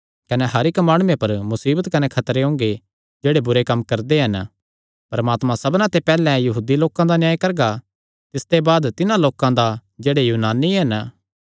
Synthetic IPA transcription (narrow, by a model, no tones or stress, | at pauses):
kɐneɦɐɾɪkmaːɽ̃uːẽpɐɾmʊsiːbət̪kɐnekʰɐt̪ɾeɦõːŋɡe | d͡ʒeːɽebʊɾekɐmːkɐɾd̪eɦɐn | pɐɾɐmaːt̪mãsɐbnãt̪epɛːlɛ̃jɐɦuːd̪iloːkãd̪anjaːikɐɾɡa | t̪ɪst̪ebaːd̪t̪ɪnãloːkãd̪ad͡ʒeːɽejuːnaːniɦɐn